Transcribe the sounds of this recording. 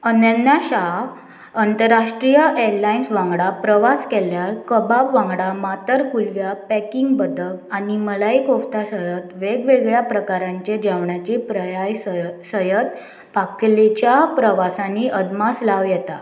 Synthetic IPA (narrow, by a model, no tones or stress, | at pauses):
ənjənjaɕa | ənt̪əɾːaʂʈɾijəʔeɾlainsʋãŋɡɽapɾəʋaskɛljaɾkəbapʋãŋɡɽamat̪əɾkulʋjapækiŋɡbəd̪əkaniməlaikoft̪asəjət̪ʋeɡʋeɡɭjapɾəkaɾãɲt͡ɕed͡ʑaʋɳjat͡ɕipɾəjajsəjət̪ | pakt̪let͡ɕjapɾəʋasãnːiʔəd̪maslaʋjɛt̪a